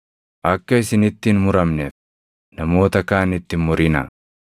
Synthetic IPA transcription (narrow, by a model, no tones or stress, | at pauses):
ʔɐkːɐɪsɪnɪt̪ːɪnmʊɾɐmnef | nɐmo̞ːt̪ɐkaːnɪt̪ːɪmʊɾɪnɐ̰